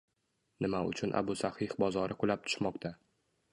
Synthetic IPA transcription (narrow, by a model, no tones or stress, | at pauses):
nɪmaʊ̰t͡ʃʰʊnʔa̰bʊsahɪhbɒzɒɾɪkʊlap̚t̪ʰʊ̥ʃmɒq̚t̪ʰa